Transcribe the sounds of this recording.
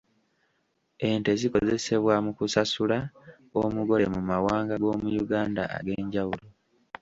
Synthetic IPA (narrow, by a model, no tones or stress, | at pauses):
e̞nte̞ziko̞ze̞se̞βwamukusasula | omuɡo̞le̞mumawaːŋɡaɡo̞ːmujuɡaːnda̰ːɡe̞ːɲɟawulo